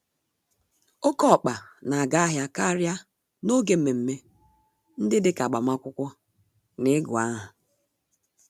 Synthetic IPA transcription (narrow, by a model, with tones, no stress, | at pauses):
o˦kɔ˦˨k͡pa˨na˨a˨ɡa˦a˦ɦja˦ka˦ɾja˦ | no˦ɡe˨m̩˦me˨m̩˦me˦ | n̩˦dɪ˦dɪ˦ka˨ɡ͡ba˨ma˦kʷʊ˦kʷʊ˦ | nɪ˦ɡʊ˨a˦ɦʊ˨